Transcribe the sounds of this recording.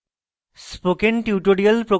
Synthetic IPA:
spokenʈuʈoɖiɐlpɾo

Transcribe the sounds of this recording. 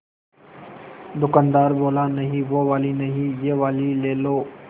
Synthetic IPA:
d̪ʊkaːnd̪aːɾboːlãːnəɦiːʋoːʋaːliːnəɦiːjeːʋaːliːleːloː

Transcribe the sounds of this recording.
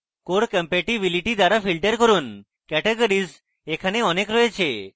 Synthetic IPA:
koɽkəmpeʈibiliʈid̪aɾafilʈəɾkəɾuːn | kɛʈeɡəɾiːd͡z | ekʰaneɔnekɾɔjet͡ɕʰe

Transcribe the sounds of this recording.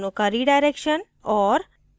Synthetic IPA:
nũkəɾiɖajɾekʃən | ɔɾ

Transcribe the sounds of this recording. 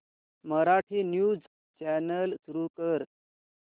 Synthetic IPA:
məɾaʈʰiːnjuːd͡z | t͡ɕænəlsuɾuːkəɾ

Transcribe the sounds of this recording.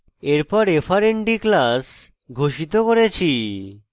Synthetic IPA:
eɾpɔɾefʰaɾeɳʈiklas | ɡʱoʃit̪okoɾet͡ɕʰi

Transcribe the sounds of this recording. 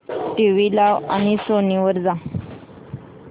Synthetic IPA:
ʈiʋilaʋa̰ñisoniʋəɾd͡za

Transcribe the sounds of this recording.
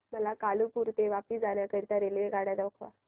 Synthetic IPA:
məlakalupuɾt̪eʋapiːsd͡zaɳjakəɾit̪aɾelʋeɡaɽjad̪okʰʋa̰

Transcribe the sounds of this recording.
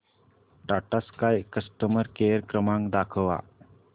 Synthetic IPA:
ɖaʈaskajkəsʈəməɾkeəɾkɾəmãŋkd̪akʰəʋa̰

